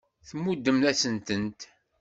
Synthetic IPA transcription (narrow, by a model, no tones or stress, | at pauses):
θmːud̪ːəmθæsənt̪ənt̪